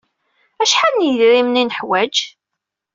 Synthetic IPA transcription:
æʃħanjðɾimninəħwæd͡ʒ

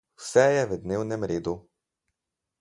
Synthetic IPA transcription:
wsɛjɛvəd̪newnɛmɾeːd̪u

